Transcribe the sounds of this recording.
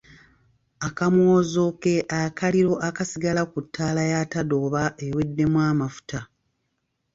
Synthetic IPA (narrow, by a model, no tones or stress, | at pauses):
akamwoːzo̞ke̞ʔakaliɾo̞ʔakasiɡalakutʰːaːlajatado̞ːβaʔewe̞dːe̞mwaːmafu̥ta